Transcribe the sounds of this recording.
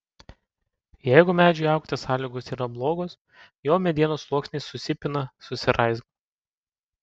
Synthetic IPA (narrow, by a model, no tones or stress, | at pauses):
jɛɪɡʊmʲæːd͡ʒʲʊɐˑʊkt̪ʲesɑːlʲiɡoːsiːɾɐblˠoːɡoːs | joːmʲɛd̪ʲiɛnoːslˠuɔksʲnʲeːsʊsʲɪpʲɪnɐsʊsʲɪɾʔɐɪzɡo